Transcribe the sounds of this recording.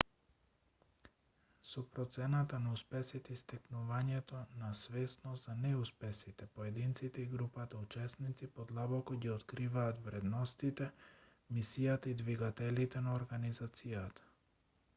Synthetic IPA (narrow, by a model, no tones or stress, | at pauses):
sɔpɾɔt̪sɛnat̪anauspɛsit̪ɛist̪ɛknuvaɲɛt̪ɔnasvɛsnɔst̪zanɛuspɛsit̪ɛpoɛd̪int̪sit̪ɛiɡɾupat̪aut͡ʃɛsnit̪sipɔd̪lˠabɔkɔɟiɔt̪kɾivaːt̪vɾɛd̪nɔst̪it̪ɛ | misijat̪aid̪viɡat̪ɛlit̪ɛnaoɾɡanizat̪sijat̪ḁ